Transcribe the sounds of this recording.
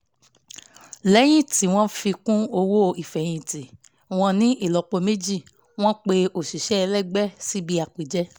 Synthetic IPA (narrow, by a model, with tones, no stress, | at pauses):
lɛ˨˦j̃ĩ˦˨ti˨˦w̃ɔ̃˦fi˧kũ˦o˧wo˦i˨fɛ˨j̃ĩ˧˨ti˨ | w̃ɔ̃˧nĩ˦i˦˨lɔ˧k͡po˧me˦d͡ʒi˦˨ | w̃ɔ̃˦k͡pe˧o˦˨ʃi˨ʃɛ˦˧lɛ˦˨ɡ͡bɛ˦si˦bi˦a˨k͡pi˨d͡ʒɛ˦